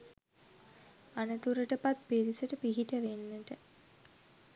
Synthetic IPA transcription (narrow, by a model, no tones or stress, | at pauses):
anət̪uɾəʈəpat̪̚pelisəʈəpiɦiʈəʋenːəʈə